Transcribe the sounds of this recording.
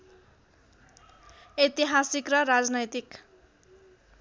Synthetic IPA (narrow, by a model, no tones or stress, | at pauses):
et̪iɦasikrʌɾad͡znʌjt̪ik